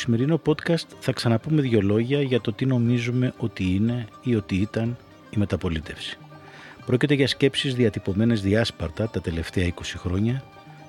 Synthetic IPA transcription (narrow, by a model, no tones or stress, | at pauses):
osime̞ɾino̞po̞t̪kɐst̪θɐksɐnɐpume̞ðʝo̞lo̞ʝɐʝɐt̪o̞t̪ino̞mizume̞ʔo̞t̪iine̞io̞t̪iit̪ɐn | ime̞t̪ɐpo̞lit̪e̞fsi̥ | pɾo̞cit̪e̞ʝɐsce̞psizðiɐt̪ipo̞me̞ne̞zðiɐspɐɾt̪ɐt̪ɐt̪e̞le̞ft̪e̞ɐiko̞sixɾo̞ɲɐ